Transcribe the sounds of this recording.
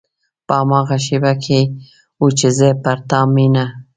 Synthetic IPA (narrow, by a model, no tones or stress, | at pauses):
pəamɑɣaʃebakʰe | ut͡ʃɪzepaɾt̪ɑmina